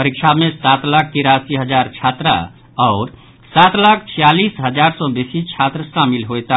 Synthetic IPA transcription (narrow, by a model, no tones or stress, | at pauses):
pəɾik̚t͡ʃʰamesat̪lak̚ʰt̪iɾasiɦəd͡ʒaɾt͡ʃʰat̪ɾa̰ | ɔʊɾ | sat̪lakʰt͡ʃʰijalisɦəd͡ʒaɾsɔ̃besit͡ʃʰat̪ɾəsamilɦojt̪a